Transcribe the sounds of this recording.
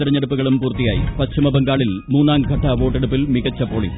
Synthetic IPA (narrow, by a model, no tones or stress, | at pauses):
iɾɐɲːɐɽupːuɣɐɭumpuːrt̪ːijaːjḭpɐtɕimɐbeŋɡaːɭilmuːnːaːŋɡʱɐʈʰːɐʋo̞ːʈːeɽupːilmiɣɐt͡ɕːɐpoːɭḭ